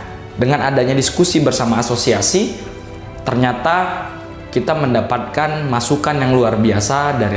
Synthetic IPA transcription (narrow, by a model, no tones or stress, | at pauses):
dəŋanadaɲadiskusibərsamaːsosiasi | t̪ərɲat̪a | kit̪aməndapat̪̚kanmasukanjaŋluarbiasadaɾi